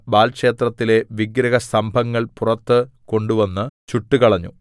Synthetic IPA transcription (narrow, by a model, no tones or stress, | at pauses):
baːlkʂe̞ːt̪rɐt̪ːile̞ʋiɡɾɐɣɐsɐmbʱɐŋːɐɭpurɐt̪ːɨko̞ɳɖuʋɐnːɨt͡ɕuʈːukɐɭɐɲːṵ